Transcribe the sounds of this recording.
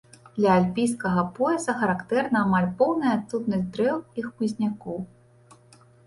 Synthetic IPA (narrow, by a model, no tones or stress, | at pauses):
d̪̥lʲɐalʲpʲijskɐɣɐpɔɛzɐxɐɾakt̪ɛrnɐːmalʲpɔwnɐjɐːt̪sut̪nɐzʲd̪ɾɛwixpuzʲnʲakɔw